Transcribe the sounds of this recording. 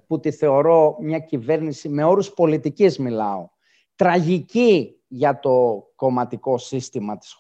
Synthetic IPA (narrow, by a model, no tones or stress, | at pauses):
put̪iθe̞o̞ɾo̞mɲɐcive̞ɾnisime̞o̞ɾuspo̞lit̪icizmilɐo̞ | t̪ɾɐʝici | ʝɐt̪o̞ko̞mɐt̪iko̞sist̪imɐt̪i̥s